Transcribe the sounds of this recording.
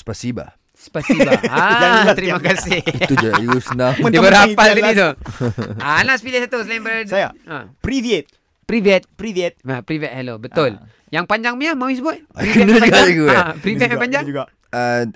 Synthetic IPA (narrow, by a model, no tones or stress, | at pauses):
sə̥pasiba̰ | spasiba̰at̪əɾimakasɪhit̪ud͡ʒausnadibəɾapald̪ait̪ʊ | aːnaʔsəpilɛsat̪usəlainbəjaapɾiviet̪̚ | pɾivɛt̪̚pɾiviɛt̪̚apɾivɛt̪̚hɛlobət̪ʊl | jaŋpaɲd͡ʒaŋməamawis̬əbʊt̪̚ɾivkəinad͡ʒuɡaaɡuɛapɾivɛt̪mapaɲd͡ʒaŋɡ | ə